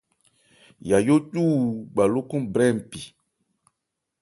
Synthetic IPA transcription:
ja˨jo˦tuː˦˨ɡ͡ba˨lo˦kũ˦mbɾɛ˦˨m˨pi˨

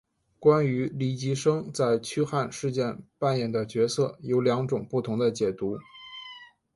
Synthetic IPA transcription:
kwa˥ny˧˥li˧˥˩t͡ɕi˧˥ʂɤ˥ŋt͡sa˥˩ɪt͡ɕʰy˥xa˥˧nʂɻ̩˥˧t͡ɕjɛ˥˧npa˥˧njɛ˥˩nd̪ə˦t͡ɕɥɛ˧˥sɤ˥˩jo˧˥ʊljɑ˧˥ŋʈ͡ʂʊ˨˩ŋpu˥˩t̪ʰʊ˧˥ŋd̪ə˧t͡ɕjɛ˨˩t̪u˧˥

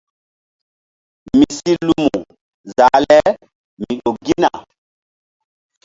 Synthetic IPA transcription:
mi˨si˦lu˦mu˨ | za˨˦lɛ˦ | mi˨ɗo˨ɡi˦na˨

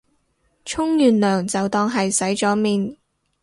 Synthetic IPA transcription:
t͡ʃʰʊ˥ŋjyː˨nlœː˨˩ŋt͡sɐ˨wt̪ɔː˧ŋɦɐ˨jsɐ˨˥jt͡sɔː˨˥miː˨n

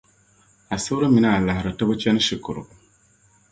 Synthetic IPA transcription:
a˨sɨ˦ɾɨ˦mi˨na˦a˨la˨hɪ˨ɾɨ˨ta˦bɨ˦t͡ʃɛ˦nɨ˦ʃi˨kʊ˨ɾʊ̰˨

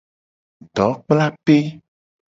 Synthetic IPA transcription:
ɖɔ˨˦k͡pla˦pe˦

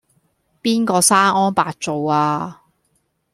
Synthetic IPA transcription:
piː˥nkɔː˧saː˥nɔː˥npaː˧k̚t͡so˨waː˧

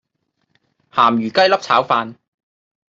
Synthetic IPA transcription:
haː˨˩mjyː˨˩kɐ˥jlɐ˥p̚t͡sʰaː˨˥wfaː˧n

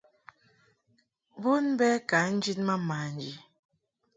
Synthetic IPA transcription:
bu˦nbɛ˦ka˨˦n̩˦d͡ʒi˦nma˦ma˨n˨d͡ʒi˨

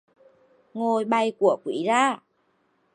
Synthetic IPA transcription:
ŋo˨˩jɓa˨˧˩jku˧˩əkwḭ˧˨˦zaː˧˩

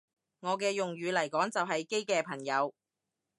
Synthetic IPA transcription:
ŋɔː˨˧k̬ɛː˧jʊ˨ŋjyː˨˧lɐ˨˩jkɔː˨˥ŋt͡sɐ˨wɦɐ˨jke˥jkɛː˧pʰɐ˨˩ŋjɐ˨˧w

